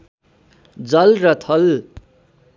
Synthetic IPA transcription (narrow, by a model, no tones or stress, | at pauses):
d͡zʌlrʌt̪ʰʌl